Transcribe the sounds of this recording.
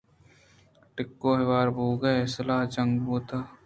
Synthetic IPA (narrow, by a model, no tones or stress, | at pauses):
ʈɪkːoːɦɪʋaːɾbʱuːɡɐsɐlaːɦd͡ʒɐ̃ŋɡbuːt̪aː